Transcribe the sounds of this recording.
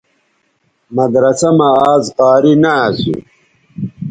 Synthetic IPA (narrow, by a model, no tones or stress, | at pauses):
mɐd̪ɾɐsɐmɐaːzqɑːɾinaːsṵ